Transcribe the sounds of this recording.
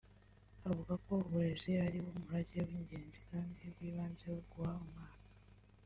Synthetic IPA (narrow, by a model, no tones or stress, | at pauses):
aβuɡako̞ːβuɾe̞zealiβoːmuɾaɟeβiːɲɟe̞ːnzikaːndiβwiːβaːnzeweɡwaomaːna